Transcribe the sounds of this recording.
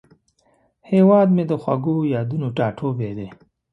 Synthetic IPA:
hewɑːd̪med̪əxwa̰ɡojɑːd̪unoʈɑːʈʰobed̪e

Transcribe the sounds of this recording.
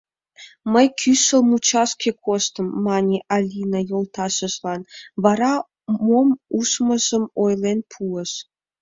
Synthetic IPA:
məjkʰysəlmut͡ɕɑʃkʲʰekʰost̪əmːɑnʲeʔɑlʲinɑjolˠt̪ɑʃəʒlɑnβɑɾɑ | momusməʒəmojlenpʰuəʃ

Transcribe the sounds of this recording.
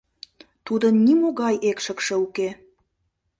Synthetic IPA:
t̪ud̪ənːimoɣɑjekʃə̆kʃə̆uke

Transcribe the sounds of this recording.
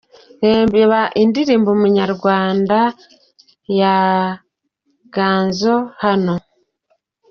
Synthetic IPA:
ɾeːmbeβaʔindiɾiːmbomuɲaɾɡwaːnda | ja | ɡ̥aːnzo̞hano̞

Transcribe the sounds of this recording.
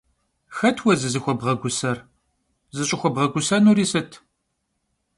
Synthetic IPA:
xɐtʰwɐzɨzɨxʷɔbʁɐɡʷʊsɐr | zɨɕʼɪxʷɔbʁɐɡʷʊsɐnuːɾiːsɨtʰ

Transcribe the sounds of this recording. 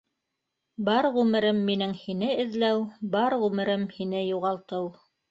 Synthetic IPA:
bɑɾʁʉmɘ̆ɾɘmːinɘŋhinɘɘ̆ðlæwbɑɾʁʉmɘ̆ɾɘmhinɘjuʁɑlˠt̪ɤw

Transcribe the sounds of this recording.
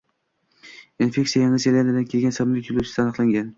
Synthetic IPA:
infʲe̞kʲtsijajɑŋɨzeland̪ɪd̪ankʲʰe̞lɡʲansamlɪkʲjʰolut͡ʃʰɪsanɨqlˠaŋɡʲan

